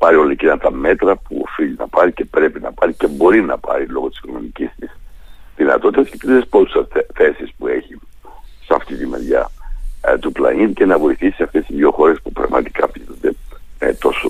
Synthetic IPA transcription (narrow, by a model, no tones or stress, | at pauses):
pɐɾio̞lɐicinɐt̪ɐme̞t̪ɾɐpuo̰fiʎinɐ̰pɐɾice̞pɾe̞pinɐpɐɾice̞bo̞ɾinɐ̰pɐ̰ɾilo̞ɣot̪i̥skononicist̪isðinɐ̰t̪o̞t̪it̪ɐsce̥t̪iespot̪u̥sɐθe̞sispue̞çi | sɐ̰ft̪it̪imḛɾʝɐ̰ | t̪uplɐ̰nit̪ce̞nɐvo̞iθisisɐft̪e̞st̪iðʝo̞xo̞ɾe̞spupɾɐ̰ɣmɐ̰t̪i̥kɐpinond̪e̞et̪o̞so